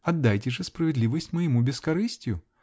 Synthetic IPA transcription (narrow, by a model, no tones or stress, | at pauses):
ɐd̪ːajtʲɪʐɨspɾəvʲɪd̪lʲivəsʲtʲməjɪmubʲɪskɐɾɨsʲtʲjʊ